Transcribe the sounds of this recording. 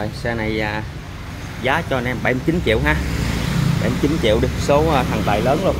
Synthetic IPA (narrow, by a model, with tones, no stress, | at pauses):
sɛː˧na˨˩jaː˨˩ | zaː˨˦t͡ɕɔ˧nɛ˧mɓa˧˩jmɨ˧t͡ɕi˨˦nt͡ɕḭ˧˨əwɦaː˧ | ɓa˧˩jm˧t͡ɕi˨˦nt͡ɕḭ˧˨əwɗi˨˧˩soː˨˦˧t̪ʰa˨˩ŋt̪aː˨˩jləː˨˦nlo˧˩n